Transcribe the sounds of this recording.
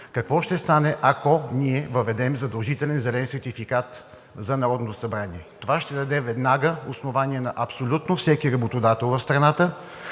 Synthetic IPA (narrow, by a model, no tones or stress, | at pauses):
kɐkvɔʃt̪ɛst̪anɛʔakɔniɛvəvɛd̪ɛmzɐd̪ɐlˠʒit̪ɛlɛnzɛlɛnsɛɾt̪ifikat̪ | zɐnɐɾɔd̪not̪osɐbɾaniɛt̪ovaʃt̪ɛd̪ɐd̪ɛvɛd̪naɡəosnovanʲiɛnɐʔɐpsolʲut̪nofsɛkiɾɐbot̪od̪at̪ɛlˠvɐfst̪ɾɐnat̪ə